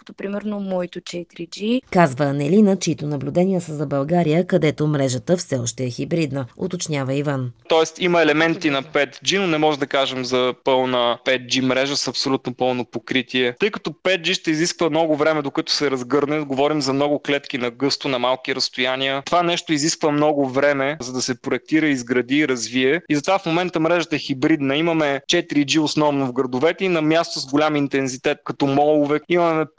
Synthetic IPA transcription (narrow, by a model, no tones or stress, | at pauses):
ə̥t̪opɾimɛɾnomɔit̪ot͡ʃɛt̪ɾid͡ʒikazvəːnɛlinət͡ʃɛit̪ʊnɐblʲʊd̪ɛnʲijəsəzɐbɐlˠɡaɾijəkɐd̪ɛt̪omɾɛʒət̪əfsɛɔʃt̪ɛɛxibɾid̪nəo̰t̪ot͡ʃnʲjavɐivant̪ɔɛst̪imɐɛlɛmɛnt̪inɐpɛt̪d͡ʒinonɛmɔʒɛd̪ɐkaʒɛmzɐpɤlˠnəpɛt̪̚d͡ʒimɾɛʒəsɐpsolʲut̪nopɤlˠnopokɾit̪iɛt̪ɤjkɐt̪ɔpɛt̪̚d͡ʒiʃt̪ɛiziskvəmnɔɡʊvɾɛmɛd̪okət̪ʊ̥sɛɾɐzɡɤɾnɛɡovɔɾimzɐmnɔɡʊklɛt̪k̟inɐɡɤst̪ʊnɐmalˠkiɾɐst̪ʊjaniət̪ovanɛʃt̪ʊiziskvəmnɔɡʊvɾɛmɛzɐd̪ɐsɛpɾoɛk̚t̪iɾəizɡɾɐd̪iːɾɐzviɛizɐt̪ovafmomɛnt̪əmɾɛʒət̪əɛxibɾid̪nəimɐmɛt͡ʃɛt̪iɾid͡ʒiʊsnɔvnovɡɾɐd̪ʊvɛt̪ɛinɐmjast̪ʊzɡʊlʲamint̪ɛnzit̪ɛt̪̚kɐt̪ɔmɔlˠʊvɛimɐmɛ